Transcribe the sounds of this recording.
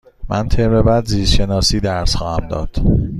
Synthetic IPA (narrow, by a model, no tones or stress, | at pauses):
mʔænt̪ʰebebæd̪ziːzʃenɒːsiːd̪æɾsxɒːhæmd̪ɒ̰ːd̪̥